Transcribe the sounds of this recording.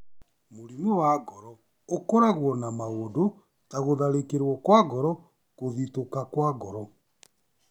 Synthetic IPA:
moɾimuwaɣɔɾɔ | okɔɾaɣwɔnamaoːdo | taɣoðaɾekeɾwɔkwaɣɔɾɔ | koðitokakwaɣɔɾɔ

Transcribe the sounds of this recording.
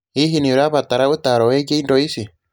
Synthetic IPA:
iɦiniɾaβataɾautaɾɔwɛɡeindɔisi

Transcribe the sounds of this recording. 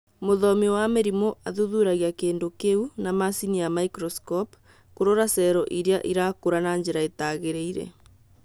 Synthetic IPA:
moðɔmewameɾimoaðuðuɾaɣiakeːndokeunamasiniamaikɾɔskɔp | koɾoɾasɛɾɔʔiɾeaʔiɾakoɾanaɲd͡ʑeɾaetaɣeɾeiɾɛ̰

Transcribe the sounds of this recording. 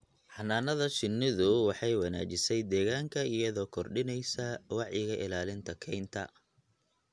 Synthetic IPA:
ħɑnaːnɐðɐt͡ʃɪnːɪðʊwɑħɑjwɑna̰ːt͡ʃɪsɛjd̪ɛːɣaːŋkʰɐijɐðɔːkʰɔrɖɪnɛjsɐwɑʕjɪɣɐʔɪlaːlɪnt̪ʰɐkʰɛjnt̪ʰɐ̰

